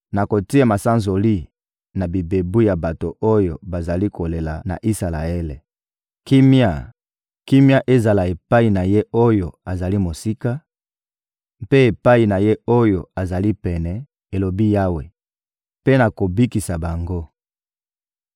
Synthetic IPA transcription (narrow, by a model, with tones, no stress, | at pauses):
na˨ko˨ti˦a˨ma˨sa˦nzo˨li˦ | na˨bi˨be˨bu˦ja˨ba˨to˨o˦jo̰˨ba˨za˨li˦ko˨le˨la˨na̰˨ʔi˦sa˨la̰˨e˦le˨ | ki˦mja̰˨ | ki˦mja˦ʔe˦za˨la˨e˨pa˦i˨na˨je˦o˦jo˨a˨za˨li˦mo˨si˦ka˦ | mpe˦e˨pa˦i˨na˨je˦o˦jo̰˨a˨za˨li˦pɛ˨nɛ˨ | e˨lo˨bi˦ja˦we˨ | pe˦na˨ko˨bi˦ki˨sa˨ba˨ŋɡo˦